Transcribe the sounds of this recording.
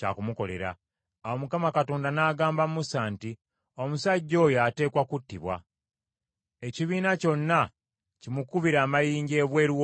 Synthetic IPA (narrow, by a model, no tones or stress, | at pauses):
ca̰kumuko̞le̞̰ɾa̰ː | wo̞mukamakato̞ːndanaːɡaːmbamumusaːnti | o̞musaɟːo̞ːjoate̞ːkwakutːiβwa̰ | e̞ciβiːnaco̞nːa | cimukuβiɾaːmajiːɲɟe̞ːβwe̞ːɾwo